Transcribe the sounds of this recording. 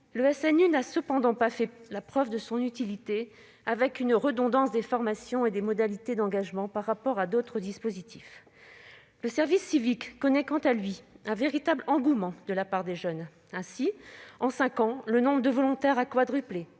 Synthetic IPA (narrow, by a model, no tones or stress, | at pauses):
ləɛsɛnynasəpɑ̃d̪ɑ̃pafɛlapχœvd̪əsɔ̃nyt̪ilit̪e | avɛkynʁəd̪ɔ̃d̪ɑ̃sd̪efɔʁmasjɔ̃ed̪emɔd̪alit̪ed̪ɑ̃ɡaʒmɑ̃paʁːapɔʁad̪ot̪χəd̪ispozit̪ʰif | ləsɛʁvisːivikːɔnɛkɑ̃t̪alɥiɛ̃veʁit̪ablɑ̃ɡumɑ̃d̪əlapaʁd̪eʒœn | ɛ̃siɑ̃sɛ̃kɑ̃lənɔ̃bʁəd̪əvɔlɔ̃t̪ɛʁakwad̪ʁyple